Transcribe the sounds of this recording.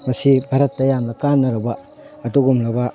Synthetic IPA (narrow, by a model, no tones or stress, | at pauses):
mɐsibʱaɾɐtːɐjamnɐkanːɐɾɐbɐ | ɐduɡumlɐbɐ